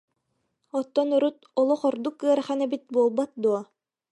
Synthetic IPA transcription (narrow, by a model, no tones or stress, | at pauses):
ɔt̪ːɔnuɾut̪ɔlˠɔχɔɾd̪ukːɯɐɾχænɛbit̪̚buːlˠbat̪̚d̪uɔ